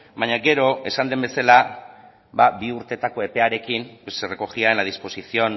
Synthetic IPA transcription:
baɲaɡe̞ɾo̞e̞sand̪e̞mbe̞sala | babiuɾt̪e̞t̪ako̞e̞pe̞aɾe̞kimposere̞ko̞ɣiaenlað̞ispo̞sisio̞n

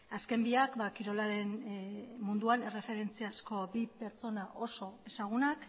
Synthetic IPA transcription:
aske̞mbiakbakiɾo̞laɾe̞n | mund̪uane̞re̞fe̞ɾe̞nt͡siasko̞bipe̞ɾt͡so̞naʔo̞so̞e̞saɣ̞unak

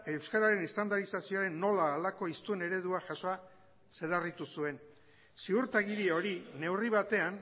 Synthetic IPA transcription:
e̞wskaɾaɾe̞nest̪and̪aɾisasio̞aɾe̞nːo̞laːlako̞ist̪une̞ɾe̞ðuaʝaso̞a | se̞larit̪usue̞n | siuɾt̪aɣiɾieo̞ɾine̞wriβat̪e̞an

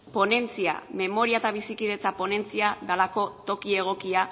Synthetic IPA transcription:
po̞ne̞nt͡sia̰me̞mo̞ɾiaet̪aβ̞isikið̞e̞t͡sapo̞ne̞nt͡siaðalako̞t̪o̞kie̞ɣ̞o̞kia

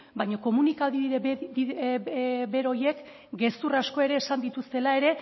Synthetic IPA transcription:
bajɲoko̞munikaliðɾei | be̞ɾo̞je̞k | ɡe̞st̪urasko̞e̞ɾe̞ːsand̪it̪ust̪e̞lae̞ɾe̞

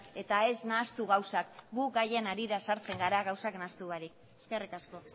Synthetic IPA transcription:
e̞t̪ae̞snast̪uɣawsak̚ɡukɡaje̞naɾiɾasaɾt͡se̞ŋɡaɾaɣawsaknast̪uβaɾik | eske̞rikasko̞

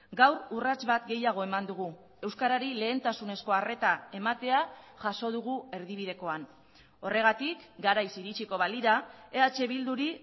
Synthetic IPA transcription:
ɡawɾurat͡sβat̪ɡe̞jaɣ̞o̞e̞mand̪uɣ̞u | e̞wskaɾaɾile̞ːnt̪asune̞sko̞are̞t̪ae̞mat̪e̞aʝaso̞ðuɣue̞ɾðiβ̞ið̞e̞ko̞an | o̞re̞ɣ̞at̪ikɡaɾajsiɾit͡ʃiko̞βaliɾaeat͡ʃe̞βild̪uɾi

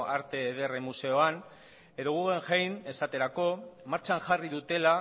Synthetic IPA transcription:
aɾt̪e̞ːð̞e̞remuse̞o̞an | e̞ðo̞ɣuɣeŋʝejne̞sat̪e̞ɾako̞maɾt͡ʃanʝariðut̪e̞la

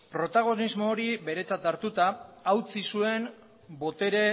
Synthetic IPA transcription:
pɾo̞t̪aɣ̞o̞nizmoːɾibe̞ɾe̞t͡sat̪aɾt̪ut̪aːwt͡sisue̞m | bo̞t̪e̞ɾe̞

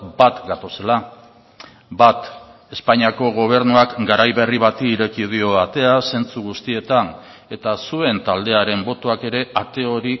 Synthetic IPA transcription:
bat̪ɡat̪o̞se̞la | bat̪e̞spaɲiako̞ɣ̞o̞β̞e̞ɾnuakɡaɾajβe̞riβat̪iːɾe̞kið̞io̞at̪e̞ase̞nt͡suɣ̞ust̪ie̞t̪an | e̞t̪asue̞nt̪ald̪e̞aɾe̞mbo̞t̪oake̞ɾe̞at̪e̞o̞ɾi

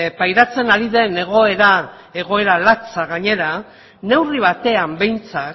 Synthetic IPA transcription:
pajɾat͡se̞naɾiðe̞ne̞ɣ̞o̞e̞ɾa | e̞ɣ̞o̞e̞ɾalat͡saɣaɲe̞ɾa | ne̞wriβ̞at̪e̞ambe̞jnt͡sak

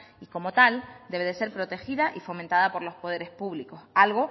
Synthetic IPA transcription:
iko̞mo̞t̪ald̪e̞βe̞ðe̞se̞ɾpɾo̞t̪e̞xiðaʔifo̞ment̪aðapo̞ɾlo̞spo̞ð̞e̞ɾe̞spuβliko̞salɣ̞o̞

